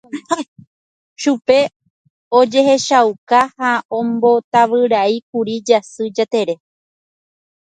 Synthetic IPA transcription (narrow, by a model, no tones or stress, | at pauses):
ʃupe̞ | od͡ʒe̞ɦe̞ʃawkahaʔõmbo̞t̪aʋɨɾaik̚uɾid͡ʒasɨd͡ʒat̪e̞ɾe̞